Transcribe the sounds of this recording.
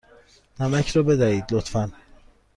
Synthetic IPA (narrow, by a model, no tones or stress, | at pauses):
næmæcʰɾɒːbe̞d̪æhiːd̪lot̪ʰfæn